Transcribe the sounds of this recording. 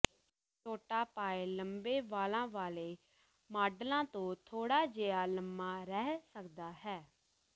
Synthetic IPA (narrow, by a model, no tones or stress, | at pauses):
t͡ʃoːʈaːpaːeːləmbeːʋaːlãːʋaːleː | maːɖlãːt̪õːt̪ʰoːɽaːd͡ʒeːaːləmːaːɾɛːɦsəkd̪aːɦɛː